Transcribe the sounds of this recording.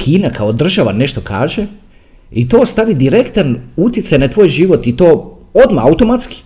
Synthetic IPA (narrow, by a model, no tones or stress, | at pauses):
kʰiːnakʰaod̪r̩ʒaʋane̞ʃt̪o̞kʰa̰ːʒe | it̪o̞ːst̪aʋid̪iɾe̞kt̪anut̪ʲjet̪sajnat̪ʋoːjʒiʋo̞t̪it̪o̞ː | od̪maaut̪o̞mat̪ski̥